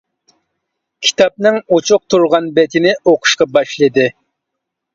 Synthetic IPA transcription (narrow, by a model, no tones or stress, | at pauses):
kʲʰi̥t̪ɑp̚nɨŋot͡ʃʰʊq̚t̪ʰuɾʁɑnbɛt̪ʰɪnɪoqʰʊ̥ʃqɑbɑʃlˠɨd̪ɨ